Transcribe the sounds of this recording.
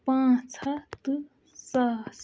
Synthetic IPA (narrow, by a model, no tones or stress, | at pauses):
pãːt͡sʰat̪ɨ | sas